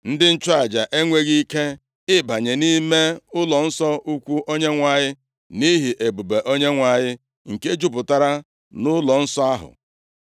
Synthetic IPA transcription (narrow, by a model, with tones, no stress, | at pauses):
n̩˦dɪ˦n̩˦t͡ʃʊ˦a˨d͡ʒa˨ʔe˦ŋʷe˦ɣi˦ke˦ | ɪ˦ba˨ɲe˨ni˦me˦ʊ˦lɔ˨n̩˦sɔ˦ʔu˦kʷu˦ʔo˦ɲe˦ŋʷa˨ɲɪ˦ | ni˦ɦi˨ʔe˨bu˨be˨ʔo˦ɲe˦ŋʷa˨ɲɪ˦ | ŋ̩˨ke˦d͡ʒu˦pʊ˨ta˦ɾa˦ | nʊ˦lɔ˨n̩˦sɔ˦a˦ɦʊ̰˨